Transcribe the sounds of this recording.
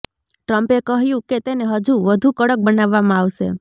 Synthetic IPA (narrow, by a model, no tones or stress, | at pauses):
ʈɾəmpekəɦjũket̪eneɦəd͡ʒuʋəd̪ʱukəɽək̚bənaʋːamãaʋʃḛ